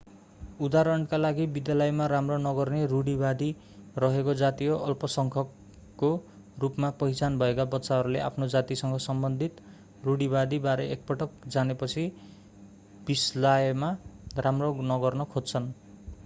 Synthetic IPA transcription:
ud̪aɾʌɳkalaɡibid̪jalʌjmaɾamronʌɡʌrneruɽibad̪i | rʌɦekod͡zat̪ioʔʌlpʌsʌŋkʰʌ | o | rupmapʌjt͡sanbʱʌekabʌtːsaɦʌɾuleʔa̰pʰnod͡zat̪isʌŋɡʌsʌmbʌnd̪ʱit̪ | ruɽibad̪ibaɾeʔek̚pʌʈʌk̚d͡zanepʌt͡sʰi | b̥islajmaramronʌɡʌrnʌkʰodt͡sʰʌn

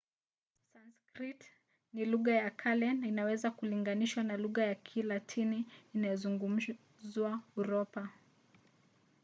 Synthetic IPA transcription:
sanskɾit | niluɣajakʰalɛnainawɛzakuliŋɡaniʃwanaluɣajakʰilatʰiniːnajɔzuŋɡum̩ | zwauɾɔpa

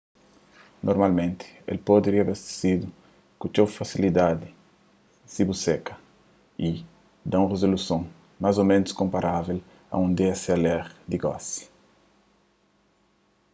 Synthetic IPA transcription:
nʔoɾmalmẽnt̪ɪ̥ḛlpod̪eɾiɐbest̪e̥sid̪u | kut͡ʃ̪owfasilid̪ad̪ɪ | sibusekɐ̥ | i | d̪ãũrezolusõŋ | mazomẽnuskõmpaɾavel | ɐ̰ũnd̪esialɛɾd̪iɡɔ̰si̥

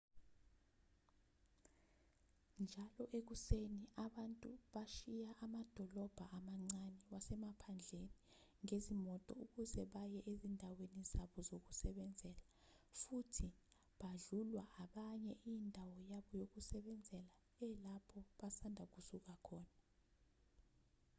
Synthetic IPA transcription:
nd͡ʒʱalɔʔek̬useniaɓantʼuɓaʃijaʔamad̥ʱɔlɔb̥ʱaamaŋ͡ǀaniwasɛmapʰand͡ɮʱeniŋezimɔtʼɔ̰uk̬uzɛɓajɛʔezindʱawenizaɓɔzok̬usɛɓɛnd͡zʱɛːla | futʰi | ɓaɮulwaʔaɓaɲɛʔindʱawɔjaɓɔjok̬usɛɓɛnd͡zʱɛla | ɛlapʰɔɓasandʱak̬usuk̬akʰɔːna

